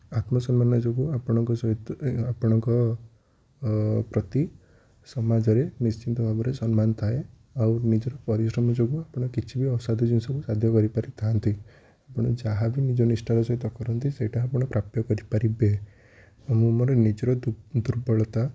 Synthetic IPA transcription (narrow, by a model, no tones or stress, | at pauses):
at̪mɔsɔmmanɔd͡ʒoɡuapɔɽ̃ɔŋkɔsɔiapɔɽ̃ɔŋkɔ | pɾɔt̪i | sɔmad͡ʒɔɾenist͡ʃint̪ɔbʱabɔɾesɔnmanɔt̪ʰae | awnid͡ʒɔɾɔpɔɾisɾɔmɔd͡ʒoɡuapɔɽ̃ɔkit͡ʃʰibiɔsad̪ʱid͡ʒunsɔkusad̪ʱjɔkɔɾipaɾit̪ʰant̪ʰi | apɔɽ̃ɔd͡ʒaɦabinid͡ʒɔnisʈalɔsɔɦit̪ɔkɔɾɔnt̪iseʈaːpɔɽ̃ɔpɾap̚t̪jɔkɔɾipaɾibe | amumɔɾenid͡ʒɾɔd̪uɾbɔɭɔt̪a